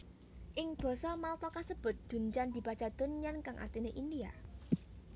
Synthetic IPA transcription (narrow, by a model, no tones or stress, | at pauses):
ʔɪŋb̥ɔ̤sɔmalt̪ɔkasəb̥ʊ̤t̪̚d̪̥ṳɲt͡ʃand̪̥i̤pḁt͡ʃad̪̥ʊ̤nɲankaŋʔa̰rt̪ineʔindia